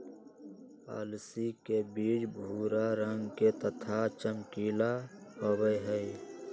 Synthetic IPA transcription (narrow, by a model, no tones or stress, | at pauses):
pa̰ːlsikebiːt͡ʃbʱuːɾaɾəŋɡket̪ət̪ʰat͡ʃəmkiːlaɦowəɦə